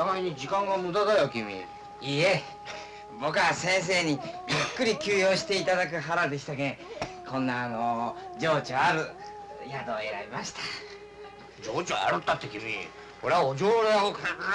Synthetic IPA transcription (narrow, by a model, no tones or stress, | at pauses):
t̪amaiɲid͡ʑikãŋɡamɯ̟d̪ad̪ajokʲimʲḭ | iːe | bo̞kɯ̟asẽ̞ɰ̃s̬e̞ːɲ̟ijɯkːɯ̟ɾʲikʲɨːjo̞ːɕi̥t̪e̞it̪ad̪ak̬ɯ̟ɦaɾad̪e̞ɕi̥t̪akẽkʰõ̞nːaːnod͡ʑo̞ːt͡ɕoaɾɯ̟ | jad̪o̞ːe̞ɾa̰bʲimaɕi̥t̪ḁ | d͡ʑoːt͡ɕoa̰ɾɯt̪ːat̪ːekʲimʲḭ | koɾeaod͡ʑoːɾeaokʰa